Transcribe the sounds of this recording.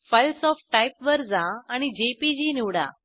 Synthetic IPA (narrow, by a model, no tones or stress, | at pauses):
fəlsɔfʈʈajpʋəɾd͡zãaɽ̃id͡ʑepid͡ʑiːniʋɽa̰